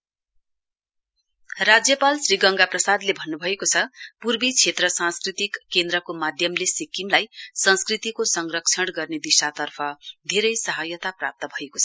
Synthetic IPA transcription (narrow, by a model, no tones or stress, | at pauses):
rad͡zjʌpalsriɡʌŋɡaprʌsad̪lebʱʌnːubʱʌekot͡sʰʌpurbit͡sʰet̪rʌsãnskrit̪ikːend̪ɾʌkomad̪ʱjʌmlesikimlajsʌnskrit̪ikosʌŋrʌkt͡sʰʌɽɡʌrned̪isat̪ʌrpʰʌd̪ʱeɾʌjsʌɦajʌt̪aprap̚t̪ʌbʱʌekot͡sʰʌ̥